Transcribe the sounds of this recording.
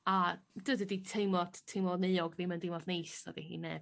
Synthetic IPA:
ad̥əːdəditʰejmɔd̥tʰːejmɔneɔɡvimɛndemɔdnejsɔ̰dḭhḭːnːɛb

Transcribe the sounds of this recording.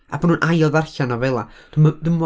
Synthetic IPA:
a̰bənhuːnʔajlˠðarɬanavɛlˠad̥umadəmɔ

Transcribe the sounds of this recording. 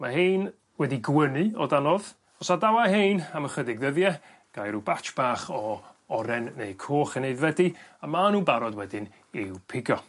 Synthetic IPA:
maheːn | wɛdiɡwənɨɔdanɔð | ɔsadawahejnaməχədɪɡðəðjɛ | ɡ̥ajɾubat͡ʃb̥aːχɔ | ɔɾɛnːejkʰoːχənejðvɛdiamanuːbaɾɔdwɛdɪn | ɪwpʰɪɡjɔ

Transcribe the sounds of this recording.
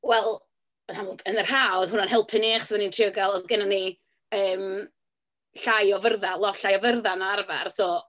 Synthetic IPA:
wɛlˠ | ənamɔɡənərhaːɔðhʊnanhɦɛlˠpʰəneχsðanintʰrɪəɡalˠɔðɡənani | əːm | ɬajɔvərðalˠɔɬajɔvərðanɔarva̰rsɔː

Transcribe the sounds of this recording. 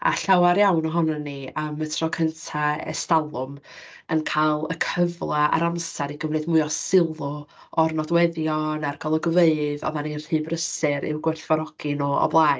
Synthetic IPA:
a̰ɬawaɾjawnɔɦɔnanːiəmətʰrɔkʰəntʰaɛ̰stalˠʊmənkʰalˠə̰kʰəvlˠaa̰ɾamsaɾiɡəvlɨdmʊɨɔsɪlˠɔ | ɔrnɔdwɛðjɔnarɡɔlˠəɡəveɨðɔ̰ðaninr̥ɨːbrəsɨɾɪ̰wɡwɛɬvɔɾɔɡ̥ɨnɔɔ̰blˠaɨ

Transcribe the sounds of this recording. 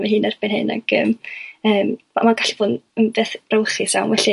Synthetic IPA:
mɛɦɨːnɛrbɪnhɨ̰na̰ɡ̥əːməːm | a̰maɡaɬivoːnənvɛːθbrawχɪsawnwɛɬi

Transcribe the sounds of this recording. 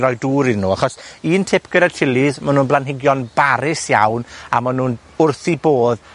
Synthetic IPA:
ɾɔjduːɾɪnːuːaχɔsiːntʰɪpʰɡ̥ədḁtʰɪlˠiðmanuːnblˠanɦɪɡjɔnbaɾɪsja̰wna̰manuːn | ʊrθiboːð

